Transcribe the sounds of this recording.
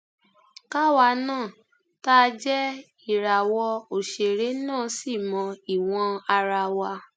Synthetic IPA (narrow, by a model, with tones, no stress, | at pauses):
ka˦wa˧˦nãː˦˨ | ta˦˧d͡ʒɛ˦ | i˦˨ɾa˨wɔ˧o˨ʃe˧˨ɾe˨˦nãː˦˨˦si˦˨mɔ̃˧i˨w̃ɔ̃˧a˧ɾa˧wa˧